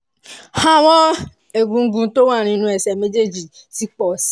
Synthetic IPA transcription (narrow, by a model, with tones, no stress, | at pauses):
ha˦˨wɔ˦ | e˨ɡũ˧ŋ̩˦ɡũ˧˦to˦wa˦˨ɾ̃ĩ˧˦nũ˧ɛ˨sɛ˨me˦d͡ʒe˦˨d͡ʒi˨ | si˦k͡pɔ˨s